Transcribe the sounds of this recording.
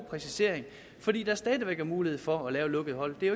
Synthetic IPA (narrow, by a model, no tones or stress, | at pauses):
pʰʁɛsise̝ɐ̰eŋ | fɒ̽dḭːd̥ɑsd̥ɛːðˠiʋeɡ̥æɐmuːlihe̝ð̞̰ˠfɒ̽ːlɛːʊlɔ̽ɡ̥əð̞̩ˠɦɒ̽l̰d̥e̝æ